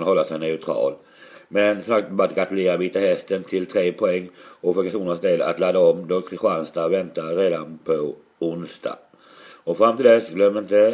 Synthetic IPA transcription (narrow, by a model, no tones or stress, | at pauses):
nhɔlːasɛjnɛʉt̪ʰɾɑ̰ːl | mɛnsɔmsak̚t̪bɑɾat̪ɡat̪ʉleːɾaviːt̪ahɛst̪ənt̪ʰɪlt̪ʰɾeːpʰɔɛŋːɔfœɾpʰaʂuːnəsd̪eːd̪a̰t̪lɑːd̪aɔmd̪ɔkʰɧanst̪avɛnt̪aɾeːd̪anpʰɔ | ʊnsd̪a̰ | ɔfɾamt̪iːld̪ɛsɡlœmːɪnt̪ə